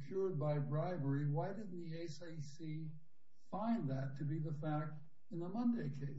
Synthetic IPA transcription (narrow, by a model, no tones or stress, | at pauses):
kʰj̥ʊɹd̚baɪbɹaɪvə˞iwaɪdɨdⁿn̩ðieɪseɪsi | fãɪ̃nðɨtʰɨbiðəfæk̚t | ɨ̃nəmʌ̃ndeɪkʰeɪs